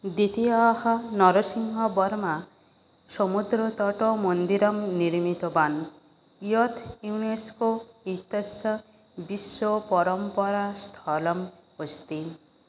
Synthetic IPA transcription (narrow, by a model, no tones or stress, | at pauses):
d̪it̪iahɔnɔɾɔsiŋɦɔbɔɾma | somud̪ɾɔt̪ɔʈɔmond̪iɾɔmniɾmit̪ɔban | ijɔt̪ʰuneskoit̪esɔ | bisːɔpɔɾɔmpɔɾast̪ʰɔlɔm | ost̪i